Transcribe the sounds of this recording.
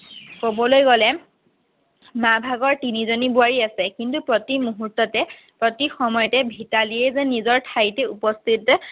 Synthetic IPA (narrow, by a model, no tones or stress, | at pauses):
kobɔlojɡɔlɛ | mabʱaɡɔɹtinizonibuaɹiasɛkintupɹɔtimuɦutːɔtɛ | pɹɔtixɔmɔjɔtɛbʱitaliɛzɛnizɔɹtʰajtɛupɔstʰit